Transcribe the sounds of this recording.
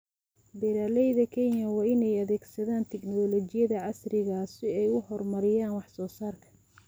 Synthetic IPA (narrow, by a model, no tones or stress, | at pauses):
bɛɾaːlɛjðɐkʰɛnjɐwɑːɪnɛjɐðɛːɡsɐðaːnt̪ʰɛɡnɔːlɔːt͡ʃɪjɐðɐʕɑsrɪɣaːsɪɛjʊhɔrmɐɾɪjaːnwɑħsɔːsaːrkʰɐ̥